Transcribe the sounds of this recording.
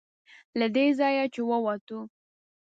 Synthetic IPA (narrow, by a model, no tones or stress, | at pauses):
lad̪ezɑjat͡ʃewəwɑt̪u